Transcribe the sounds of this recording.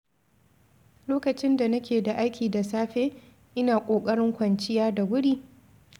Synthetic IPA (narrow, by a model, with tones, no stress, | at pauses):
loː˦kɐ˨t͡ʃɪ˦nda˨nɐ˦kʲeː˨da˨ʔa˦jkʲiː˨da˨saː˦ɸeː˦ | ʔɪ˦naː˨kʷʼoː˨kʼɐ˦ɽɪ˦ŋkʷɐ˨nt͡ʃɪ˦jaː˦da˨ɡʊ˦ɽiː˦